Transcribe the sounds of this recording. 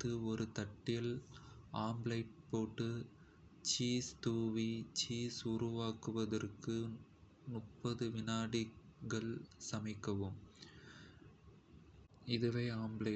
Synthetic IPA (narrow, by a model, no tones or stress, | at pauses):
t̪ːɯɔɾɯt̪ɐʈːɪjɐlaːmblɐɪpoːʈːɯ | t͡ʃiːst̪uːʋit͡ʃiːsʊrʊʋaːkɯʋɐðɐrkɯ | nʊʈpːɐðɯʋɪnaːɽɪɣɐɭsɐmɪkːɐʋɯm | ɪðɯʋɐɪaːmblɐ